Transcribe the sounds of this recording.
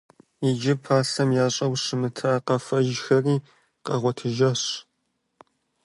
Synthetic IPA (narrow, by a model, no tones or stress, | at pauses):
ɪd͡ʒɪpʰaːɬɐmjaːɕʼɐwɕɨmɨtʰɐʔaqɐfɐʒxɐriː | qɐʁʷɔtʰɨʒɐɕ